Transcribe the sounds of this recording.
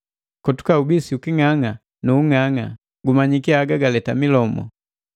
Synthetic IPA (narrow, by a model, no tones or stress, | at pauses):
kɔtu̥kaubisiukiŋaŋa | nuːŋaŋa̰ | ɡumaɲikiaɡaɡalɛtamilɔmɔ̰